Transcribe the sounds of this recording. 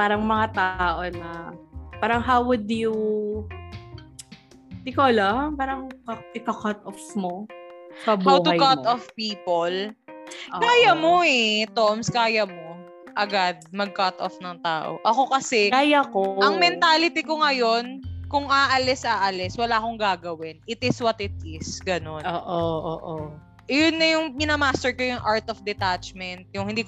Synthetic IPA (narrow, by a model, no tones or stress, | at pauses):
paːɾɐŋmɐŋat̪aːʔonɐpaːɾɐŋɦawwʊd̪ju | d̪ɪkolɐpaːɾɐŋkɐʔɪpɐkat̪ɔfmohɐbhawt̪ʊkat̪ɔfpiːpol | kaːjɐmo̞ɛt̪omskaːjɐmo̞ | ʔɐɡad̪̚mɐɡ̚kɐt̪ofnɐŋt̪aːʔo̰ʔɐko̞kɐsɛkajakoʔɐŋmɛnt̪aːlɪt̪ikoŋɐjo̞nkʊŋaʔɐlɛsʔaːʔɐlɛswɐlaːkoŋɡaːɡɐwɪnɪt̪ɪswɐt̪ɪt̪̚ɪsɡɐno̞noːʔoʔoːʔo | jʊnːɐjʊŋmɪnamaːst̪ɛɹkojʊŋʔaɹt̪ɔfd̪ɛt̪at͡ʃmɛnt̪̚jʊŋhɪnd̪iːk